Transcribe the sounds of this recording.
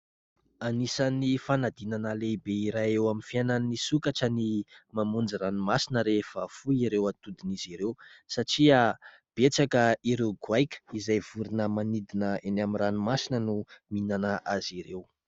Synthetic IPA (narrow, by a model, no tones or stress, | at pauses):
anisanifanad̪inanəleibeiɾajewaminfiananːisukaʈ͡ʂənimamund͡ziranumasinəɾefafuiɾewat̪ud̪iniziɾewsaʈ͡ʂiə | b̥et͡sakəiɾewɡuajkʲə̥izajv̥uɾinəmanid̪inəenaminranimasinənuminanəʔaziɾew